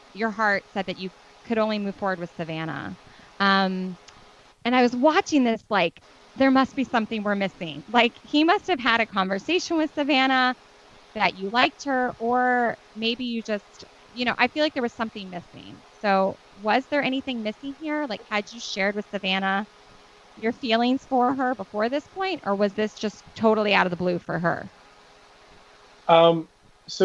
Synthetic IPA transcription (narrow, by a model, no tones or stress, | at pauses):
jə˞ɦɑɹtsɛd̪̚ðɨt͡ʃɨ | kʰɨɾõʊ̃nlimʉv̥fɔɹwə˞d̚wɨð̥sɨvæñə̰ | ʌ̃m | ɨ̃ñaɪwʌzwɑt͡ʃɪ̃ŋðɪslaɪk | ðə˞mʌst̚b̥isʌ̃mθɪ̃ŋwə˞mɪsɪ̰̃ŋlaɪkhimʌst̚hɨv̥ɨɾɨkʰɑ̃ɱvə˞seɪʃɨ̃nwɨð̥sɨvæɾ̃ə | ðɨt͡ʃɨlaɪk̚t̚hə˞ʔə˞ | meɪbijɨd͡ʒʌst | jɨñoʊʔaɪfilaɪk̚ðə˞wʌz̥sʌ̃mθɪ̃ŋmɪsɪ̰̃ŋsoʊ | wʌzðə˞ɛɾ̃iθɪ̃ŋmɪsɪ̃ŋhiɹlaɪkhɨd͡ʒɨʃɛɹd̚wɨð̥sɨvæñə | jə˞filˠɪ̃ŋz̥fə˞ə˞bəfɔɹðɪspʰɔ̃ɪ̃ntə˞wʌzðɪsd̥ʒ̥ʌstʰoʊɾl̩ˠiaʊɾʌvðəblʉfə̰˞ə̰˞ | ʔʌ̃m | so